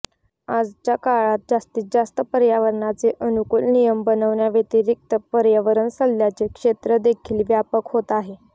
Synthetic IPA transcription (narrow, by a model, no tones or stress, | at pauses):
ad͡zt͡ɕjakaɭat̪̚d͡zast̪iːt͡s̚d͡zast̪əpəɾjaʋəɾɳat͡seʔənukuːlnijəmbənəʋɳjaʋet̪iɾik̚t̪əpəɾjaʋəɾənsəlːjat͡sekʂet̪ɾəd̪ekʰiːlʋjapəkɦot̪aɦe